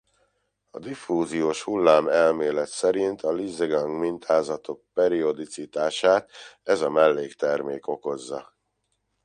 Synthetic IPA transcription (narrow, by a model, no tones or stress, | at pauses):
ɒd̪ifuːzijoːʃhulːaːmɛlmeːlɛt̪sɛɾint̪ʰɒlizeɡɒŋɡmint̪ʰaːzɒt̪o̞k̚pɛɾio̞d̪it̪sit̪aːʃaːt̪ɛzɒmɛlːeːkt̪ɛrmeːko̞ko̞zːɒ